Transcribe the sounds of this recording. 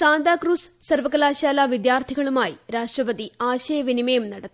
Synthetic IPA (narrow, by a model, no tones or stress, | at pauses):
saːnd̪aːkruːssɐrʋɐkɐlaːɕaːlaːʋid̪jaːrt̪ʰiɣɐɭumaːjiɾaːʂʈrɐpɐt̪iaːɕɐjɐʋinimejumnɐɽɐt̪ː